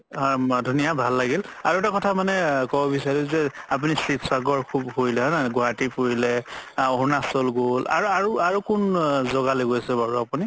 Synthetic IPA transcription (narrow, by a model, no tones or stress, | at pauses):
dʱunijabʱalːaɡilaɹuɛtakɔtʰamanɛkɔbɔbisaɹizɛap̬unisitsaɡɔɹkʰubhojlɛɦɔnɛɡɔɹatipoɹilɛɔɦunasɔlɡola̰ɹuaɹuaɹukʊnzɔɡaloɡojasɛbaɹuapuni